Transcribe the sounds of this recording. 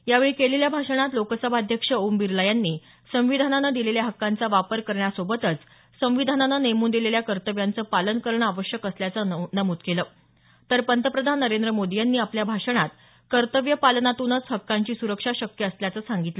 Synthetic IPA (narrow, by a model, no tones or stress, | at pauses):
jaʋeɭikeleljabʱaʂəɳ̃at̪lokəsəbʱad̪ʱjəkʂəombiɾləjanːiː | sə̃ʋ̃ʋid̪ʱananad̪ileljaɦəkːant͡saʋapəɾkəɾɳjasobət̪ət͡s | sə̃m̃ʋid̪ʱanananejmuːnd̪ileljakəɾt̪əʋjant͡səːpalənkəɾəɳəaʋəɕjəkəsljat͡sənəmud̪kelə | t̪əɾpənt̪əpɾəd̪ʱanːəɾend̪ɾəmod̪ijanːiːapljabʱaʂəɳ̃at̪ | kəɾt̪əʋjəpalənat̪unət͡sɦəkːaɲt͡ɕiːsuɾəkʂaɕəkjəːsljat͡səsaŋɡit̪lə